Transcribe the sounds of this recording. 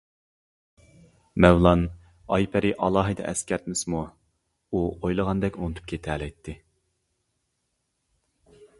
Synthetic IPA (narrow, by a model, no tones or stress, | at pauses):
mɛwlˠɑn | ɑjpʰæɾɪʔɑlˠɑːɦɨd̪ɛ̰ʔɛskʲæɾt̪̚mɪsmu | uojlˠəʁɑnd̪ɛkʲonɨt̪ʰyp̚kʲʰet̪ʰɛlɛjt̪ʰːɪ